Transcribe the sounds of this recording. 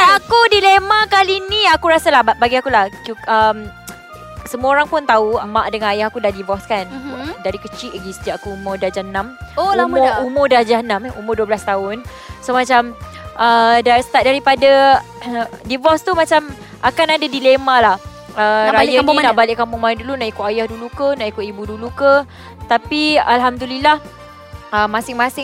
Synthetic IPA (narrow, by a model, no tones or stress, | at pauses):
aakudilemakalinĩakuɾasalahabaɡiakulahkuəm | səmuoɾaŋpʊnt̪aumãʔdəŋãnajahakudahdivɔskandaɾikət͡ʃiʔɡisə̥t̪iaʔakuumʊdahd͡ʒanãmomʊumʊdahd͡ʒanãmṵmʊrduəbəlast̪aʊn | somat͡ʃam | ədasə̥t̪at̚daɾipada | divɔst̪umat͡ʃam | akanadadilemalah | əɾaajəanaʔbalɪʔkampuŋmanndulunaʔikuʔajahdulukənaʔikʊʔibudulukə | t̪apialɦamdulilah | əmːasɪŋmasɪŋ